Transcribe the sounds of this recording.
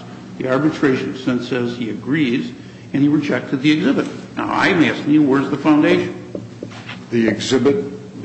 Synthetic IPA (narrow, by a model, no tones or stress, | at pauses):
ðiɑɹbɨtʰɹ̥eɪʃɨ̃nsɪ̃nsɛz̥iɨɡɹiz | ɨ̃niɹɨd͡ʒʰɛk̚tʰɨd̪̚ðiɨɡzɪbɨt̚na̰ʊa̰ɪɨ̃mæsnɨwə˞ɨzðəfãʊ̃ndeɪʃn̩ | ðiɨɡzɪbɨt̚